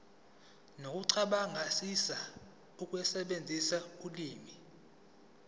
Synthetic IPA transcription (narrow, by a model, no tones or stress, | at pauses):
nok̬ʼuǀʰaɓaŋʱasisa | uk̬ʼwɛsɛɓend͡zʱisauliːmi